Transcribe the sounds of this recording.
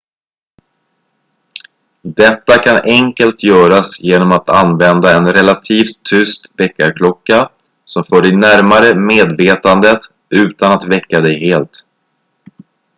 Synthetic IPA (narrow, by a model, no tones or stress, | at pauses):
d̪ɛt̪ːakʰanʔɛŋkəlt̪ʰjœːɾasjeːnɔmat̪anvɛnd̪aɛnɾɛlat̪ʰiːft̪ʰːʏst̪vɛkːaɾkʰlɔkːa | sɔmfœːɖɛjnæɾmaɾəmeːd̪veːt̪and̪ət̪ | ʉ̟ːt̪anat̪vɛkːad̪ɛjheːlt̪